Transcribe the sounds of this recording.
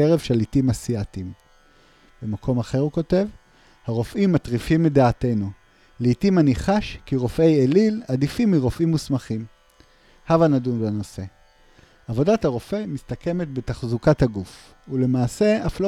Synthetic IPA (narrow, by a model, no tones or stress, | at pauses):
eʁevʃe̞litimasiatim | b̥emakʰo̞maχe̞ʁhuko̞te̞v | haʁo̞fʔimːatʁifimidaːte̞jnu | leitimaniχaʃkiʁo̞fe̞jeliladifimːiʁo̞fimːusmaχim | havanadunbano̞se̞ | avo̞dathaʁo̞fe̞jmist̪akʰe̞me̞t̪bet̪aχzukathaɡuf | ule̞maːse̞aflo